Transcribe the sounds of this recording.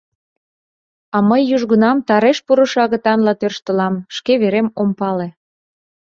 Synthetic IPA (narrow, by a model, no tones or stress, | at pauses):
ɑməjːuʒɣənɑmt̪ɑɾeʃpuɾəʃɑɣə̆t̪ɑnlɑt̪ørʃt̪ə̆lɑmʃkeβeɾemompɑle